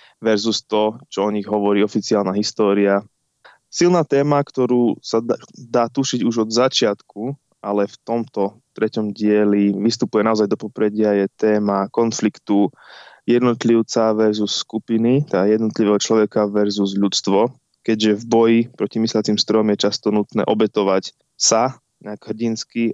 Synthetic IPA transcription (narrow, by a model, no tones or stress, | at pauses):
ʋɛɾzust̪ɔt͡ʃɔɔɲiɣɦɔʋɔɾiːɔfit͡siaːlnaɦist̪ɔːɾia | silnaːt̪ɛːmakt̪ɔɾuːsad̪aːt̪uʃiɟuʒɔd̪zat͡ʃɪat̪ku | alɛft̪ɔmt̪ɔ | t̪ɾɛcɔmɟɪɛliʋist̪upujɛnaɔzajd̪ɔpɔpɾɛɟɪajɛt̪ɛːmakɔnflikt̪u | jɛd̪nɔt̪liʊt͡saʋɛɾzusːkupinit̪ajɛd̪nɔt̪liʋɛːɦɔt͡ʃlɔʋɛkaʋɛɾzuzʎut͡st̪ʋɔ | kɛɟʒɛvbɔjipɾɔcimislat͡simst̪ɾɔjɔmjɛt͡ʃast̪ɔnut̪nɛ̰ːʔɔbɛt̪ɔʋac | sa | ɲɛaɡɦr̩ɟinski